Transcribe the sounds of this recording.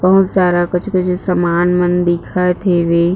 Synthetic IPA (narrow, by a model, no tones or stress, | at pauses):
pɐɦʊt̪saːɾakət͡ʃʰkət͡ʃʰsəmaːnmənd̪ɪkʰaːet̪ʰeːʋeː